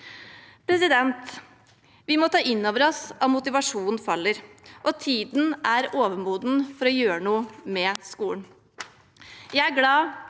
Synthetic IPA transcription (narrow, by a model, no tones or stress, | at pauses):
pʰɾɛsɪd̪ɛnt̪ | ʋɪmɔt̪ʰɑːʔɪnːoːʋəɾɔsɑmʊt̪ɪʋɑʂuːnn̩fɑlːəɾʔɔt̪ʰiːd̪n̩æɾoːʋəmuːd̪n̩fɔɾɔjøːɾəɳuːəmɛskuːln | jæɪæɾɡlɑː